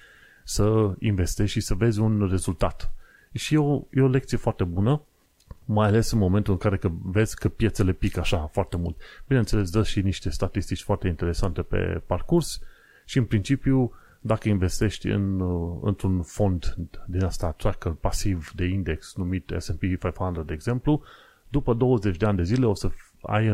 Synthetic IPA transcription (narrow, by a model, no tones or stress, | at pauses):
səḭnve̞st̪eʃisəve̞zʲunre̞zult̪at̪ | ʃieojeole̞kt̪sije̞foart̪ebunə | majale̞sɨnmo̞ment̪ulɨŋkaɾe̞kəve̞z̥ʲkəpje̞t̪se̞le̞pikaʃafoart̪e̞mult̪b̥ine̞nt̪sele̞s̬d̪əʃiniʃt̪e̞st̪at̪ist̪it͡ʃʲfoart̪eint̪e̞ɾe̞sant̪e̞pe̞̰parkurs | ʃiɨnpɾint͡ʃipju | d̪akəinve̞st̪e̞ʃt̪ʲɨ̰nɨ̰nt̪ɾunfo̞nd̪d̪inast̪at̪rakəpasivd̪e̞ind̪e̞ksnumit̪ḛsempifajfand̪ərd̪e̞ːɡz̥e̞mplu | d̪upəd̪o̞wəze̞t͡ʃʲd̪eand̪e̞zile̞o̞sə | a̰jɨ